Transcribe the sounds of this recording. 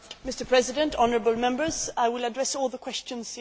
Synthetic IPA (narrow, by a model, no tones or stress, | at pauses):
mɪstə˞pʰɹ̥ɛzɪdɨ̃ntʰɑnəɹəbəlˠmɛ̃mbə˞zaɪwɪlədɹɛsɔːlˠðəkʰw̥ɛst͡ʃə̃nz̥